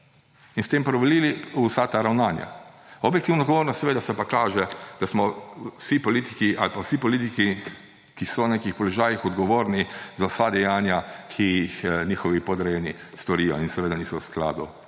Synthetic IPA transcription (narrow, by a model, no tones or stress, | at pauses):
inst̪eːmpɾɔʋɛliliusat̪aɾawnaːnja̰ɔbjɛkt̪iwnɔd̪ɡɔʋoːɾnɔst̪sɛʋeːd̪asɛpakaːʒɛd̪asmɔsipɔliːt̪ikiʔalpawsipɔlit̪iki | kisɔwnekixpɔlɔʒaːjixɔd̪ɡɔʋoːɾnizawsad̪ɛjaːnjakʰijixnʲiːxɔʋipɔd̪ɾɛjɛni | st̪ɔɾiːjɔinsɛʋeːd̪aniːsɔwskla̰ːd̪ṵ